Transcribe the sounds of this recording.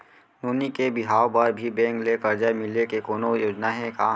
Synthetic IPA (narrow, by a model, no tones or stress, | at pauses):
nuːnikebɪɦaːopɐɾbʱibɛ̃ːŋklekɐɾd͡ʒamɪlekekoːnojoːd͡ʒnaɦɛ̃kaː